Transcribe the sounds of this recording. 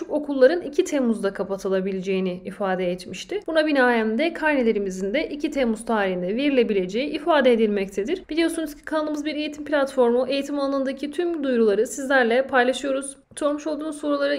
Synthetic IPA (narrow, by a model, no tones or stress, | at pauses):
uko̞kʰulˠːaɾɯnicʰit̪ʰemuzd̪akʰapat̪ʰɯlˠabilʲed͡ʒe̞jiniːfaːd̪ɛɛt̪miʃt̪ɪb̥unabinaːjæmd̪ɛkʰaɾnelʲe̞ɾimizind̪ɛʔicʰit̪ʰemuz̥t̪ʰaːɾiɦind̪ɛveɾilʲe̞bilʲe̞d͡ʒe̞jiʔifaːd̪eed̪ilʲmɛct̪ʰed̪iɾ̥b̥ilʲijo̞sunuz̥cʰi̥kʰanlˠɯmɯzbiɾe̞jit̪ʰimpʰlʲat̪fo̞ɾmuʔe̞jit̪ʰimanalˠaɯnd̪acʰit̪ʰymd̪ujɾulˠaɾɯsizlʲæɾlʲɛpʰajlˠaʃɯjo̞ɾuz̥ | so̞ɾmuʃo̞lˠd̪uːuzoːɾalˠaɾɯ